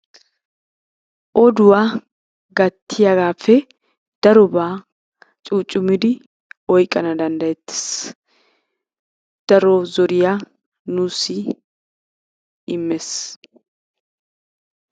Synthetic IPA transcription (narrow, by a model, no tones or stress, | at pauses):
ʔɔd̪ʊwaː | ɡɐt̪ʰːɪjɐɡaːfːɛ | d̪̥ɐɾɔbaː | t͡ʃʼuːt͡ʃʼːʊmːɪd̪ɪ | ɔjkʼːɐnɐd̪ɐnd̪ɐjɛt̪ːɪ̥s | d̪̥ɐɾɔzɔɾɪja | nuːsɪ | ɪmːɛs